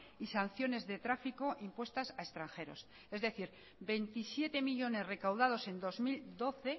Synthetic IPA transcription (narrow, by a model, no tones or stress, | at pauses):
isan̟θjo̞ne̞zðe̞t̪ɾafiko̞ʔimpwe̞st̪asae̞st̪ɾaŋxe̞ɾo̞̰s | e̞zðe̞θiɾ | be̞nt̪isje̞t̪e̞miʎo̞ne̞sre̞kawðað̞o̞se̞nd̪o̞zmild̪o̞θe̞